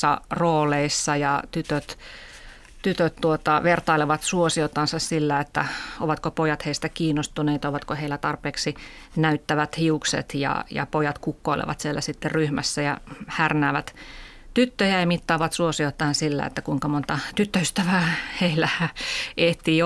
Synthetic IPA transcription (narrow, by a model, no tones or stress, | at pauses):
ɑ̰roːleisːɑjɑt̪yt̪øt̪ | t̪yt̪øt̪t̪uot̪ɑʋert̪ɑileʋɑt̪suosiot̪ːɑnsɑssilːæet̪ːæ̰oʋɑt̪kopojɑt̪heist̪ækiːnːost̪uneːt̪ɑoʋɑt̪koheilːæt̪ɑrpeːksi | næyt̪ːæʋæt̪hiuksḛt̪jɑ̰jɑ̰pojɑt̪kukːoilḛʋɑ̰t̪sielːæsit̪ːerryhmæsːæjɑhærnæːʋæt̪ | t̪yt̪ːøjæemit̪ːɑːʋɑt̪suosiot̪ːɑɑnsilːæ̰ḛt̪ːækuiŋkɑmont̪ɑt̪yt̪ːøyst̪æʋæːheilːæʔeht̪iː